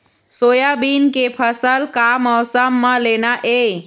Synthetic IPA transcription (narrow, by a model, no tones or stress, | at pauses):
soːjabiːnkepʰəsəlkamɔːsəmːãleːnaʔe